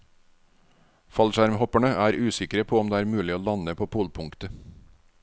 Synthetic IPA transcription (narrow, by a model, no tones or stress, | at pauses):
fɑlʃæɾmhɔpæɳəæːɾʉːsɪkɾəpʰoːɔmd̪eːæːɾmʉːlɪoːlɑnəpʰoːpʰuːlpʰʊŋkt̪ə